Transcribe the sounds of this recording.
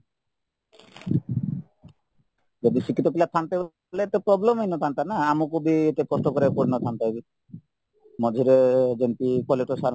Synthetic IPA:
d͡ʒod̪it͡ɕikːit̪opilat̪ʰant̪eb | leet̪epɾɔblemenot̪ʰant̪anaamukubiet̪ekɔsʈokɔɾekoɾnot̪ʰant̪abi | mɔd͡ʒʱiɾed͡ʒenpikɔleʈosaɾ

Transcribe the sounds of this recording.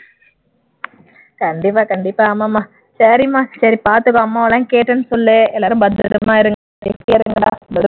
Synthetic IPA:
kɐɳɖɪp̬ːaːkɐɳɖɪpːaːɐmːamːaː | sɐɾimaːsɐɾipaːɾt̪ɯkːɔ̃ɐmːaːʋɐlãːkeːʈːɐnːɯsɔlːeɛlːaːɾɯmbɐnd̪ɯ̰ɾɯmaːɪɾɯŋɡɐadɛfiɐɾɯŋɡɐa̰ːɐð

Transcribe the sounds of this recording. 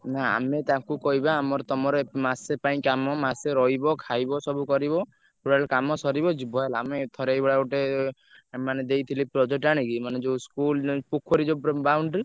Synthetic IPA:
naa̰met̪akukɔɦibaːmɔɾt̪ɔmɔɾɔemasepaĩkamɔmaseɾɔɦibɔkʰajbɔsɔbukɔɾibɔ | puɽalkamɔsɔɾibɔd͡ʒubʱɔelamet̪ʰɔɾejbɔɽaɡoʈe | maned̪ejt̪ʰilipɾɔd͡ʒeʈaɽ̃ĩkimaned͡ʒeskulpukʰɔɾid͡ʒopbawɳɖ

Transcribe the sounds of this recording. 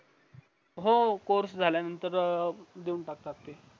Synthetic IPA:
ɦokoɾsd͡zʱaljanənt̪əɾd̪euːnʈak̚t̪akt̪e

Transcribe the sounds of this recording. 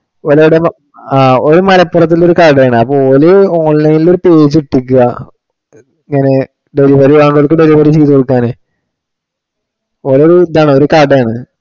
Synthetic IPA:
oleuɽem | aːoɾumɐlɐpːurɐt̪̬ːilːo̞ɾukaɾɖɐjaːɳɨɐpːoolɨoːɳlɐjnilo̞ɾupeːd͡ʑiʈːik̬ːuɐ | iŋːɐne̞ | ɖeɾibɐriʋaːɳɖolkːɨɖeɾibɐɾit͡ɕiːt̪ːukoɽukːaːnɨ | oloɾud̪aːɳɨoɾukaːɖɐjaːɳɨ

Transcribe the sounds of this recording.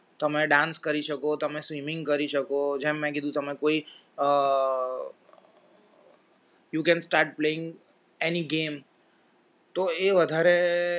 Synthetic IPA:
t̪əmẽɖãnskəɾiʃəkot̪əmẽsʋimɪ̃ŋɡkəɾiʃəkod͡ʒɛ̃mːɛ̃k̬id̪ũt̪əmẽkoi | jukɛ̃nsʈaːɾʈ̚pleɪ̃ŋɡ | eniɡeːm | t̪oeʋəd̪ʱaɾe

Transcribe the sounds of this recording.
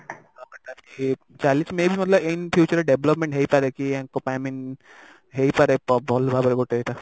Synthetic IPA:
abaʈ̪aki | t͡ʃalĩt͡ʃmebimʌt̪ləbejnpʰjut͡ʃəɾeɖeblɔpmẽɳʈɦejpaɾekiãŋkopamin | ɦejpaɾepbʱɔlbʱabɔɾeɡoʈeet̪a

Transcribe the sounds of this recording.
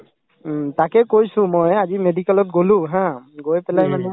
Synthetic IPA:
takɛkojsʊ̃mojazimedikalɔt̚ɡolũɦãɡojpɛlajmanu

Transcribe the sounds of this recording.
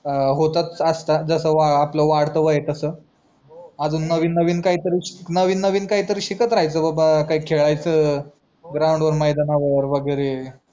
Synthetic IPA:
ɦot̪at͡səst̪ad͡zəsəʋaapləʋaɽt̪əʋəjet̪əsəː | ad͡zuːnːəʋiːnːəʋiːnkaɦiːt̪əɾiːnəʋiːnːəʋiːnkaɦiːt̪əɾiːɕikət̪ɾaɦajt͡səːbabakaɦiːkʰeɭajt͡sə | ɡɾawɳɖʋəɾməjd̪anaʋəɾʋəɡəjɾe

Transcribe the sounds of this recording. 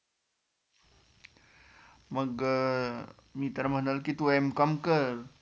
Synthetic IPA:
məɡə | mit̪ərmənəlkit̪uɛmkɔmkər

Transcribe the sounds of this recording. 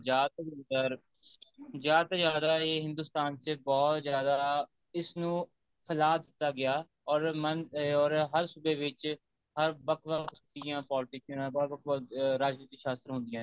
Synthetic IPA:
d͡ʒjaːd̪t̪ːʊnd̪əɾ | d͡ʒjaːd̪t̪ad͡ʒjaːd̪aːeːɦɪ̃nd̪ʊːst̪aːnt͡ʃəbɔːt̪zjaːd̪aː | ɪsnũː | pʰəlaːd̪ɪt̪ːaːɡɪaː | ɔːɾmənɔːɾɦəɾsʊbeːʋɪt͡ʃ | ɦəɾbəkʰʋəkʰd̪ɪjãːpɔːlɪʈɪknãːbɾbəkʰʋəɾaːd͡ʒniːt̪iːʃaːst̪ɾɦʊ̃nd̪ɪjãː

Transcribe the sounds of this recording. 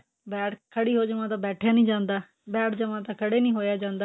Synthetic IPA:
bɛːʈkʰəɽiːɦoːd͡ʒəʋãːt̪̬ãːbɛːʈʰjaːnĩːd͡ʒãːnd̪aː | bɛːʈʰd͡ʒəʋãːt̪aːkʰəɽeːnĩːɦoːjaːd͡ʒãːnd̪aː

